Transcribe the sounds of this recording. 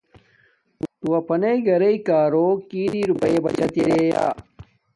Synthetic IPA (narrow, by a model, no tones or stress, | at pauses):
ut̪uwɐpʰɐnɐiɡɐɾɐikaːɾokiːɾiɾupɐebɐt͡ɕɐt̪iɾeja̰ː